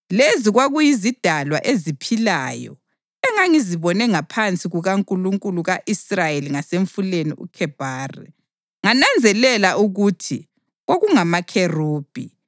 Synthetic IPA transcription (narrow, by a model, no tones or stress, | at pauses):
leziɣwaɣujizid̥ʱalwa̰ʔezipʰila̰ːjɔ̰ | ɛŋaŋiziβɔnɛŋapʰant͡sʼiɣuɣaŋkʼuluŋkʼuluɣaʔisrajeliŋaseɱfuleniʔṵkʰɛb̥ʱaːrḭ | ŋanand͡zʱɛlɛlaʔuɣutʰi | ɣoɣuŋamakʰeruːb̥ʱi